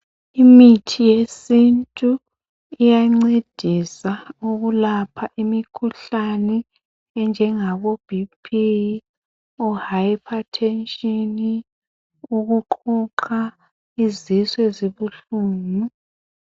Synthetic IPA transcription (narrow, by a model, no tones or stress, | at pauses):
imitʰijesintʼu | ijaŋ͡ǀed̥ʱisauɣulapʰaʔimikʰuɬanɛ | ɛnd͡ʒʱɛŋaβob̥ʱipʰi | ɔhajpʰatʰɛnʃʼɔni | uɣuǃʰɔǃʰa | iziswɛziβuɬuːnu